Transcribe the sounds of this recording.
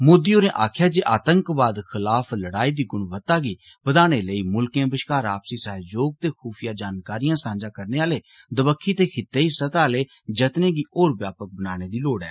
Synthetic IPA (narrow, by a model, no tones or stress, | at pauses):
moːd̪iːoːnẽːʔa̰ːkʰjaːd͡ʒeːʔaːt̪ə̃ŋkbaːd̪kʰɪlaːpʰləɽaːiːd̪iːɡʊɳʋət̪ːaːɡiː | bəd̪aːɽ̃eːləiːmʊlkẽːbəʃkaːɾaːpsiːsəɦd͡ʒoːɡ̚t̪eːxʰuːpʰɪjaːd͡ʒaːnkaːɾijãːsãːnd͡ʒãːkəɾneːaːleː | d̪əbəkʰːiːt̪eːkʰɪt̪eːiːsət̪aːleː | d͡ʒət̪nẽːɡiːʔoːɾbjaːpək̚bənaːñeːd̪iːloːɽɛ̰ː